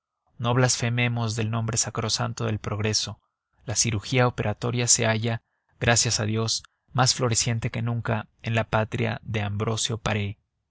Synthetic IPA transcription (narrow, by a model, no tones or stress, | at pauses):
no̞βlasfe̞me̞mo̞zðe̞lnõ̞mbɾe̞sakɾo̞sant̪o̞ðe̞lpɾo̞ɣɾe̞so̞ | lasiɾuxiaope̞ɾat̪o̞ɾjase̞aʝa | ɣɾasjasaðjo̞s | masflo̞ɾe̞sjent̪e̞ke̞nũŋkaenlapat̪ɾja̰ðe̞ambɾo̞sjo̞paɾe